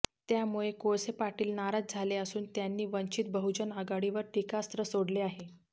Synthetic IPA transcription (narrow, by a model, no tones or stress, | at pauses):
t̪jamuɭekoɭsepaʈiːlnaɾat̪̚d͡zʱaleəsuːnt̪janːiːʋəɲt͡ɕit̪̚bəɦud͡ʑənəɡaɽiʋəɾʈikast̪ɾəsoɽleaɦe